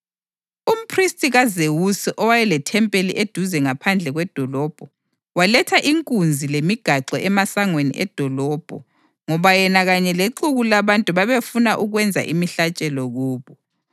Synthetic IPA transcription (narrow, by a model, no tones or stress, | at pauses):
um̩pʰristʼiɣazewusiʔɔwajɛlɛtʰɛmpʼelḭʔed̥ʱuzɛŋapʰand͡ɮʱɛɣwɛd̥ʱɔlɔːb̥ʱɔ | walɛtʰaʔiŋkʼund͡zʱilemiɡ̥ʱaǁɔʔɛmasaŋwenḭʔɛ̰d̥ʱɔlɔːb̥ʱɔ | ŋɔβajɛnaɣaɲɛleǁuɣulaβantʼuβaβefunaʔuɣwɛnd͡zʱa̰ʔimiɬat͡ʃʼɛlɔɣuːβɔ